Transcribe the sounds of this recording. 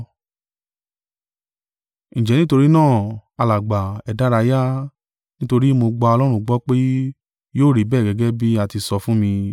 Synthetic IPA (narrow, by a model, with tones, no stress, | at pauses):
ñ̩˨d͡ʒɛ˨nĩ˦to˧ɾi˦nãː˦˨a˧la˨ɡ͡ba˨ɛ˨da˨˦ɾa˧ja˦ | nĩ˦to˧ɾi˦mo˧ɡ͡ba˧ɔ˧lɔ˦ɾ̃ũ˦ɡ͡bɔ˦k͡pe˦ | joː˦˨ɾi˨bɛː˦˨ɡɛ˧ɡɛ˦bi˦a˦˨ti˧sɔ˧fũ˦mĩ˧